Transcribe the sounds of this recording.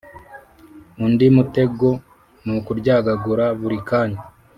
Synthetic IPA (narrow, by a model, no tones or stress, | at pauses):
undimute̞ɡo̞ | nukuɾɟaːɡaɡuɾaβuɾikaːɲa